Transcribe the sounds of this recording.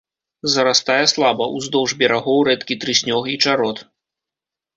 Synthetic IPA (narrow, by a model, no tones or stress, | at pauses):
zɐɾast̪ajɛslˠabɐʔuzd̪ɔwʐbʲɛɾaɣɔwɾɛt̪kʲit̪ɾɨsʲnʲɔxit͡ʂaɾɔt̪